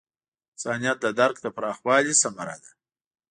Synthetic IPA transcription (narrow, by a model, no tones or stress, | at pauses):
sɑnijat̪̚d̪əd̪aɾkd̪əpɾɑxwɑlisamaɾa̰d̪a